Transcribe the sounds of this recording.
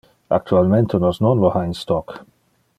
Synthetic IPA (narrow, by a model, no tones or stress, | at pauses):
a̰k̚t̪ʰualmɛ̃nt̪unɔznɔ̃nlɔhaĩnst̪ɔk